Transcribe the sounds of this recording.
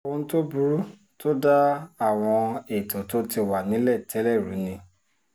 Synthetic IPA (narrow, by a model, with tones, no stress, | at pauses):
wo˧ñ̩˦to˦bu˧ɾu˦ | to˦da˦a˦˨w̃ɔ̃˧e˨to˨to˦ti˧wa˨nĩ˨˦lɛ˦˨tʰɛ˨˦lɛ˦˨ɾṵ˨˦nĩ˧